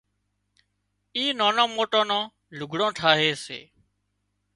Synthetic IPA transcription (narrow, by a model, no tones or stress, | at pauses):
iːnãːnãːmoːʈõːnãː | lʊɡʱɽõːʈʰaːɦeːsḛː